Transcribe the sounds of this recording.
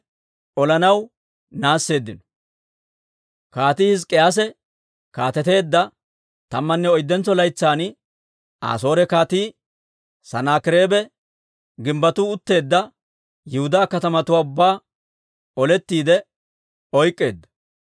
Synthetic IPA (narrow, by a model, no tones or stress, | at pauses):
ʔɔlɐnɐw | naːsːe̞ːd̪ːɪnɔ̥ | kaːt̪iːhɪskʼːɛas̬ɛ | kaːt̪ɛt̪e̞ːd̪ːɐ | t̪ɐmːɐnːɛɔjd̪ːɛnt͡sɔlɐjt͡sːaːnɪ | ʔa̰ːso̞ːɾɛkaːt̪iː | sɐnaːkɪɾe̞ːbɛ | ɡɪmbɐt̪uːʊt̪ːe̞ːd̪ːɐ | jɪhʊd̪aːkɐt̪ɐmɐt̪ʊwaːʊbːaː | ɔlɛt̪ːiːd̪ɛ | ɔjkʼːe̞̰ːd̪ːɐ̥